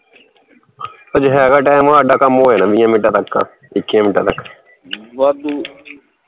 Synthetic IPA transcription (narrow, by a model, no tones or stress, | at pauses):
əd͡ʒɦɛːɡaːʈɛːmɦaːɖaːkamːoːeːnãːʋiːãːmɪʈaːt̪əkːa̰ː | ɪkːijãmɪʈaːt̪əkː | d̪